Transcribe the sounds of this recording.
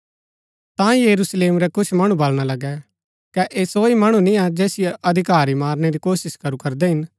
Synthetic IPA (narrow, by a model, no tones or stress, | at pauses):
t̪ãjɐɾusleːmɾɛkʊt͡ʃʰmɐɽ̃ũbɐlɽ̃alɐɡɛ | kɛʔeːsoːimɐɽ̃ũnĩad͡ʒɛːsɪjeʔɐd̪ʱɪkaːɾimaːɾñeɾikoːsɪskɐɾukɐɾd̪ɛɦɪn